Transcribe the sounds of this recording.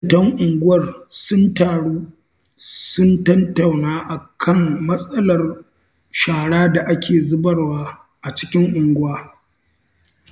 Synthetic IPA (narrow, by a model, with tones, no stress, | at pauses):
tɐ˦ŋʔʊ˨ŋɡʷʊ˦wɐ˨rsʊ˦ntaː˨ɽuː˦ | sʊ˦ntɐ˦nta˨wnaː˦ʔa˨kʰɐ˦˨mmɐ˦sʼɐ˦lɐ˨r | ʃaː˨ɽaː˦da˨ʔa˦kʲʰeː˨zʊ˦bɐ˨rwaː˦ | ʔa˨t͡ʃɪ̥˦kʲɪ˦ŋʔʊ˨ŋɡʷʊ˦waː˦